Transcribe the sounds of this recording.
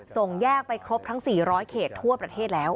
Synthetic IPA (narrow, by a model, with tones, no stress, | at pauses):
so˨˩ŋjɛː˥˩k̚pa˧jkʰɾo˦˥p̚t̪ʰa˦˥ŋsiː˨˩ɾɔː˦˥jkʰeː˨˩t̪ʰːu˥˩ɐpɾa˧t̪ʰeː˥˩t̪̚lɛː˦˥w